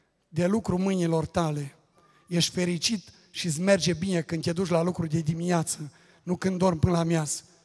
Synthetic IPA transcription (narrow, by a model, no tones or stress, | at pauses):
d̪e̞lukɾumɨnilo̞rt̪ale̞ | je̞ʃt̪ʲfe̞ɾit͡ʃit̪ | ʃis̬me̞rd͡ʒe̞bine̞kɨnd̪ʲed̪ut͡ʃʲlalukɾud̪e̞d̪imineat̪sə | nukɨnd̪d̪o̞rmpɨnəlamjas